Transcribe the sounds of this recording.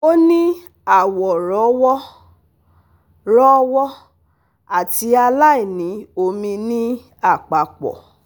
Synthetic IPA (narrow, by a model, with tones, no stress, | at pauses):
o˦nĩ˦ | a˦˨wɔ˨ɾɔ˨˦wɔ˦ | ɾɔ˦wɔ˦ | a˦˨ti˧˦a˧la˦i˦˨nĩ˨˦o˧mĩ˧nĩ˦ | a˦˨k͡pa˨k͡pɔ̰˨